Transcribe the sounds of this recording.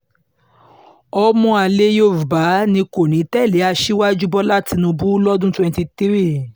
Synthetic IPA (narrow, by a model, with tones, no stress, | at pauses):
ɔ˧mɔ̃˧a˧˨le˦jo˦˨fu˨ba˨˦nĩ˧ko˨nĩ˨˦tɛ˦˨le˨˦a˧ʃi˦wa˦d͡ʒu˦bɔ˦la˦ti˧nũ˧bu˦lɔ˦dũ˦twɛ̃˧ti˧t̪i˦ɾi˦